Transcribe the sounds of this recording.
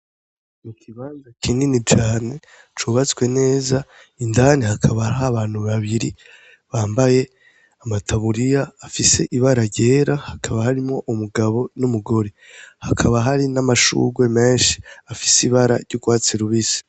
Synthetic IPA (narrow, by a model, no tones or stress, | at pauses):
mukʰiβaːnzakʰiːninit͡ʃaːne̞ | t͡ʃuβat͡skwe̞ne̞ːza | indanihakʰaβaɦaβaːn̥huβaβiɾi | βaːmbaje̞ | amatʰaβuɾijaːfise̞ʔiβaɾaɟe̞ːɾahakʰaβahaɾimŋo̞ʔumuɡaβo̞numuɡo̞ɾe | hakʰaβaɦaɾinamaʃṵɡwe̞me̞ːnʃi̥afi̥siβaɾa̰ɾɟuɡwaːt͡seɾuβisi̥